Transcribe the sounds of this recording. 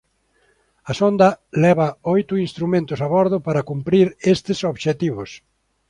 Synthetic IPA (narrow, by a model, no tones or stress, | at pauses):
ɐsond̪ɐlɛβɐojt̪ʊinst̪ɾumẽnt̪ʊsaβɔɾðʊpaɾɐkumpɾiɾest̪ɪsoβʃet̪iβʊs